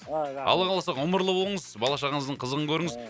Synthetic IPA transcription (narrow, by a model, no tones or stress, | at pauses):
ɑ̰lˠɑʁɑlˠɑsɑqoməɾlˠəbo̞lˠəɴəzbɑlˠɑʃɑʁəɴəzd̪əɴqʰəzəʁəŋkʲʰɵɾɪŋɪz